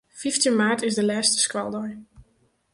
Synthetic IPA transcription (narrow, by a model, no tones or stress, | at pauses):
fiftənmaːɹtɪzdəlɛːstə̥skwa̰lˠdɔj